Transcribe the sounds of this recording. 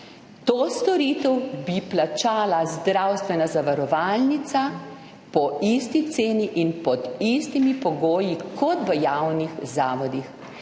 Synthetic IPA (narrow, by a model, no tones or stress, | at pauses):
t̪oːst̪ɔɾiːt̪ɛwbiplat͡ʃaːlazd̪ɾawst̪ʋɛnazaʋaɾɔʋaːlnit̪sa | pɔist̪it̪seːniʔinpɔd̪ist̪imipɔɡoːjikɔt̪ʋəjawnixzaːʋɔd̪ix